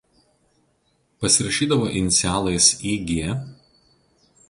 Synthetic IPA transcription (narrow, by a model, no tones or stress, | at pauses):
pɐsʲɪɾɐʃʲiːd̪ɐʋoːʔɪnʲɪt̪sʲæːlˠɐɪsiːɡʲeɛ